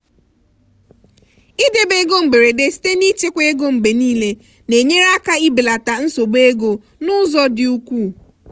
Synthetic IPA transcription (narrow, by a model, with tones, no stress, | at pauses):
ɪ˦de˨be˨˦ɡo˦ŋ͡m̩˨ɡ͡be˨ɾe˨de˦si̥˦te˦ni˦t͡ʃe˦kʷe˦e˦ɡo˦˨ŋ͡m̩˨ɡ͡be˨niː˦le˦ | ne˨ɲe˦ɾa˦ka˦i˦bɪ˨la˨ta˨n̩˦so˨ɡ͡be˦ɡo˨ | nʊ˦zɔ˦dɪ˨u˦kʷu˦˨